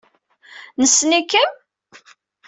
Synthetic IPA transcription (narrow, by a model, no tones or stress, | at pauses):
nəsːnikːən